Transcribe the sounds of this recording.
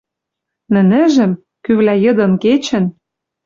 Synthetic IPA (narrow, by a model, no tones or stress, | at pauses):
nɘ̆nɘ̆ʒɘ̆m | kyβlæjɤ̆d̪ɤ̆nket͡ɕɘ̆n